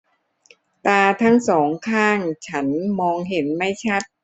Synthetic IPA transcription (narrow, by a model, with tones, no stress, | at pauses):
t̪aː˧t̪ʰa˦˥˩ŋsɔː˩˦ŋkʰaː˥˩ŋt͡ɕʰa˦˥nmɔː˧ŋɦe˩˦nma˥˩jt͡ɕʰa˦˥t̪̚